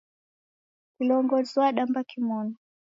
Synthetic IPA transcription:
kilɔŋɡɔziwaɗambakimɔna

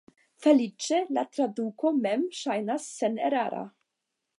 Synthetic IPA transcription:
felit͡ʃelat̪ɾad̪ukomɛmʃajnasːenḛɾa̰ɾa̰

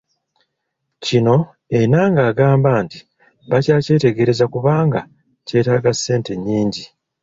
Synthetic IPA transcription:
cino̞ | e̞naŋɡaːɡaːmbaːnti̥ | βacaːce̞ːte̞ɡe̞ɾe̞zakuβaːŋɡa | ce̞ːtaːɡasːe̞ːnte̞ɲːiːɲɟi

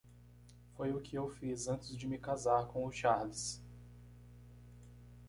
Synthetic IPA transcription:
fojʊkʰɪewfizɐ̃nt͡ʃɪzd͡ʒɪmɪkazaɾkõʊʃaɾlɪs

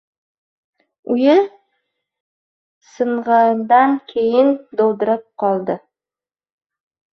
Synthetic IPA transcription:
ʊjɪ | sɨɴʁɑnd̪ankʲʰejɪnd̪owd̪ɪɾɪp̚qʰɒlˠd̪ɪ

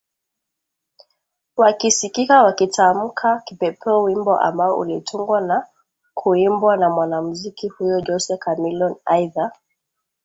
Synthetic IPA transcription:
wakisikikawakitʰam̩kʰakipɛpʰɛɔwimbɔʔa̰mbaɔʔṵlitʰuŋɡwana | kʰuimbwanamwanamuzikihujɔd͡ʒɔsɛkamilɔnajða

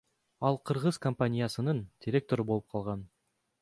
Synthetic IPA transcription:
ɑlˠqʰɯɾʁɤzkompanʲɪjasɯnɯnd̥̪ʲɪɾʲe̞k̚t̪o̞ɾɯbo̞lˠɯp̚qʰɑlˠʁɑn

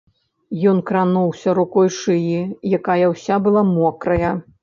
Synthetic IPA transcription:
jɔnkɾanuwsʲɐɾukɔjʂɨjijakajɐwsʲabɨlˠamɔkɾɐjɐ

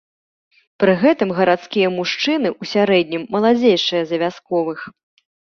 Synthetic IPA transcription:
pɾɨɣɛt̪ɨmɣɐɾat̪skʲijɐmuʂt͡ʂɨnɨʔusʲaɾɛd̪ʲnʲimːɐlˠad͡zʲejʂɨjɐzɐvʲaskɔvɨx

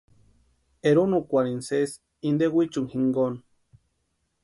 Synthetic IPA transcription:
eɾunukʷaɾinses | ind̪ewit͡ʃuŋhiŋɡon

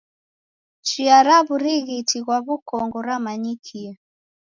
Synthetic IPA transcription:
t͡ʃiaɾaβuɾiɣitiɣwaβukɔŋɡɔɾamaɲikʰia

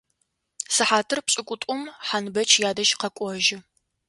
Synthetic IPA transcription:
sɨħaːtʰɨrpɕʼɪkʷʼʊtʼʊmħanbɐt͡ʃʰjaːdɐʒqɐkʷʼɔʒɪ

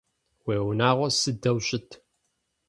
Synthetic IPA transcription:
weːwnaːʁʷɔsɨdɐwɕʼɪtʰ

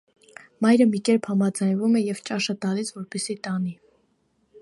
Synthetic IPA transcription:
mɑjɾəmikɛɾpʰhɑmɑd͡zɑjnvumɛjɛvt͡ʃɑʃət̪ɑlisvɔɾpɛsit̪ɑni

